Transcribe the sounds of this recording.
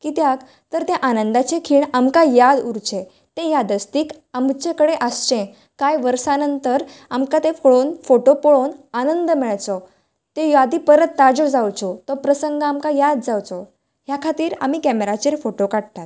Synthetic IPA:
kiːt̪jak | t̪əɾt̪ẽʔanənd̪at͡ɕekʰiːɳamkajad̪uɾt͡ɕẽ | t̪ẽjad̪əst̪iːk | amt͡ɕekəɽeʔəst͡ɕẽ | kajʋəɾsanənt̪əɾamkat̪ẽfoɭonfoʈopoɭonanənd̪əmɛɭt͡sɔ | t̪ejad̪ipəɾət̪ːad͡ʑɔd͡zawt͡sɔt̪ɔpɾəsəŋɡamkajad̪̚d͡zawt͡sɔ | ɦjakʰat̪iːɾa̰m̤iːkɛmeɾat͡ɕeɾfoʈokaɽt̪at̪

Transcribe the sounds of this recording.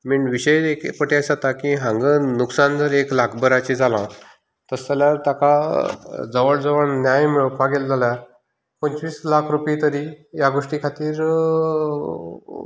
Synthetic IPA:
miɳʋiɕəjekpəʈiasat̪akiɦãŋɡənuksand͡zəɾeklakʰbəɾat͡ɕid͡zʱalã̰ | t̪əst̪aljaɾt̪aka | d͡zəʋəɭd͡zəʋəɳnjajmiɭpʰaɡeld͡zʱalja | pəɲt͡ɕʋiːslakʰɾupjit̪əɾijaɡoʂʈikʰat̪iːɾ

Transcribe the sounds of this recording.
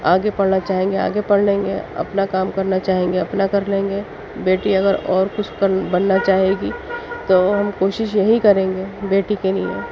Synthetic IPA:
aːɡepɐɽnat͡ʃaːɦẽːŋɡea̰ːɡepɐɽlẽːŋɡḛɐ̰pnakaːmkɐɾnat͡ʃaːɦẽːŋɡeɐpnakɐɾlẽːŋɡe | beːʈiɐɡəɾɔːɾkʊt͡ʃʰkɐɾbɐnːat͡ʃaːɦeːɡit̪oːɦɐmkoːʃɪʃ̬jɐɦikɐɾẽːŋɡeːbeːʈikeliḛ̃

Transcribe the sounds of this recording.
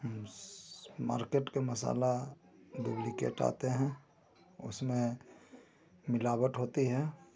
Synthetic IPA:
ɦəm | ma̰ːɾkeːʈkemɐsa̰ːlad̪ublikḛːʈa̰ːt̪eɦɛ̃ | ʊ̰smẽ | mɪlaːbəʈ̪ɦoːt̪iɦɛ̃ː

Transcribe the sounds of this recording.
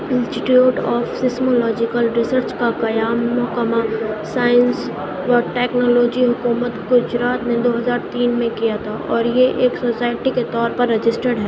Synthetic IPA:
ɪ̃nsʈɪʈiuːʈɔːfsɪsmolɔːd͡ʒɪkəlɾɪsəɾt͡ʃkakɐjaːmːɔɦkəmasaːjəns | ʋɐɾʈɛːknɔːloːd͡ʒiɦʊkuːmət̪ɡʊd͡ʒɾaːt̪nẽd̪oːɦɐzaːɾt̪iːnmẽkijat̪ʰaʔɔːɾjeʔeːksosaːɪʈiket̪ɔːɾpɐɾːɐd͡ʒɪsʈəɽɦɛː

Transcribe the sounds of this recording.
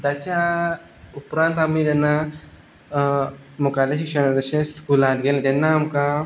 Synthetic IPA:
d̪at͡ɕa | upɾãnt̪amit̪ɛnːa | mukalaɕikʂənad̪əɕẽskulãt̪ɡʱelẽt̪ɛnːaːmka

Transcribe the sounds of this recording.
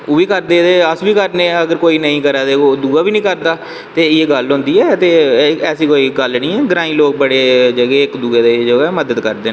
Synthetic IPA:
oːʋiːkəɾd̪eːt̪eːəsʋiːkəɾnẽːəɡəɾkoːiːnəĩːkəɾaːd̪eːoːd̪uːaːbiːnĩːkəɾd̪aː | t̪eːɪjeːɡəlɦʊ̃ːnd̪iːɛːt̪eːɛːsiːkoːiːɡəlnĩːɛːɡɾaːĩːloːk̚bəɽeːd͡ʒəɡeːɪkd̪uːeːd̪eːd͡ʒəɡɛːməd̪əd̪kəɾd̪eːnː

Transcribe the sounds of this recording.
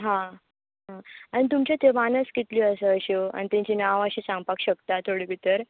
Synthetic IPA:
ɦã | ɦãaɽ̃it̪̬umt͡ɕat̪ʰemanəskit̪liəsəəɕea̰nit̪ẽɲt͡ɕiːnaʋəɕisãŋɡ̚pakɕəkt̪at̪ʰoɽibʱit̪əɾ

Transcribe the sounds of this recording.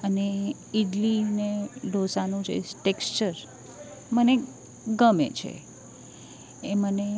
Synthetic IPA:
əne | iɖlineɖʱosanũd͡ʒʰḛʈekst͡ʃəɾ | məne | ɡəmḛt͡ʃʰḛ | eməne

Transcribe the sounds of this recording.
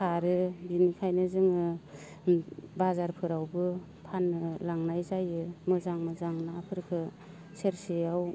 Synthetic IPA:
kʰaɾɯbinikʰajnɯzɯŋɯ | bazaɾpʰɯɾawbɯ | pʰanːɯlaŋnajzajɯmɯzaŋmɯzaŋnɯapʰɯɾkʰɯ | seɾsejaw

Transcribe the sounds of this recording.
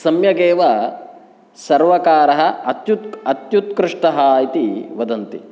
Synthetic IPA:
sɐmjɐɡeːʋɐ | sɐɾʋɐkaːɾɐɦɐɐt̪jut̪ɐt̪jut̪kɾɪʂʈɐɦaːjit̪iʋɐd̪ɐnt̪i

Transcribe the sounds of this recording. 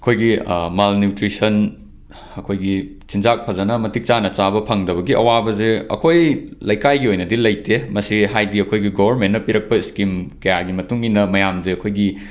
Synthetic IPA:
ɐkʰojɡimalnjutɾisɐn | ɐkʰojɡi | sinzak̚pʰɐzɐnɐmɐtʰik̚t͡ʃanɐt͡ʃabɐpʰɐŋdɐβɐɡiʔɐ̰wabɐzeɐ̰kʰojlɐjkajɡiojnɐdilɐjtʰemɐsiɦajdiɐkʰojɡiɡobʱɐɾmentːnːɐpiɾɐk̚pɐiskimkɐjaɡimɐtuŋinɐmɐjamzeɐkʰojɡi

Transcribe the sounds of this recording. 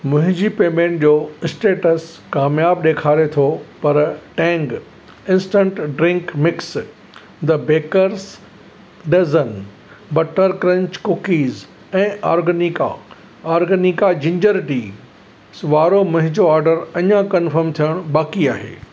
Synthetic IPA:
mʊ̃ɦɪ̃ɲd͡ʑipeːmẽːɳʈ̚d͡ʑoːɪsʈeːʈəs | kaːmjaːbɗeːkʰaːɾet̪ʰopɐɾʈɛ̃ːŋɡ | ɪ̃nsʈə̃ɳʈɖɾɪ̃ŋkmɪks | d̪ɐbeːkəɾs | ɖɐzən | bɐʈːəɾkɾɐ̃ɲt͡ɕkʊkiːz | ɛ̃ːʔaːɾɡənika̰ | aːɾɡənikad͡ʑɪ̃ɲd͡ʑəɾʈi | sʋaːɾomʊ̃ɦɪ̃ɲd͡ʑoaːɾɖəɾɐɲãkɐnfəɾmt̪ʰijəɽ̃ɓaːkiaːɦḛː

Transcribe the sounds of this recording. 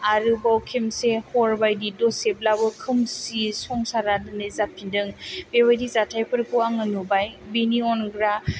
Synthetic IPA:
aɾɯbawkʰimsehɔɾbajdidɔseblabɯkʰɯmsisɔŋsaɾadɯnɯzapʰindɯŋbewajdizatʰajpʰɯɾkʰuaŋɯnubajbiniɔnɡɾa

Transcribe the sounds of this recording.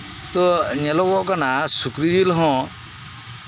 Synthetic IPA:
t̪ɔɲelɔwɔkɔnasukɾid͡ʒilɦɔ̃

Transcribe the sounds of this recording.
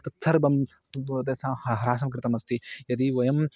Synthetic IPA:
t̪ɐt̪sʰɐɾbɐm | t̪ɐsãːhɐɦɐɾaːs̬ɐmk̬ɾɪt̪ɐmɐst̪ijɐd̪iʋɐjɐm

